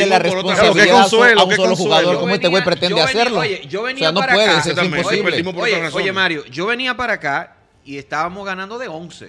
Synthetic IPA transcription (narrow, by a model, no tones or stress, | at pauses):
elaresponsaβiiðoaseaunso̞loxuɣaðo̞ɾkomwest̪eɣwejpɾet̪enease̞ɾloeoβenseano̞pwe̞ðes̬eessimposiβleimopoɾɾsojemaɾjoʝo̞βe̞niapaɾaka | iest̪aβamozɣanãnd̪oðeonsḛ